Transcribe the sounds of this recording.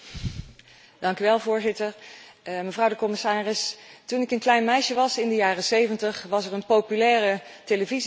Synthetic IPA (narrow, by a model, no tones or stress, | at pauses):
d̥ɑŋkyʋɛlˠvʊːɹzɪtəɹməvrʌwdəkɔmɪsaːrɪstunɪkənklɛjnmɛjʃəʋɑsɪndəjaːrəsejvəntəχʋɑsɛrənpowpylɛːrəteləviz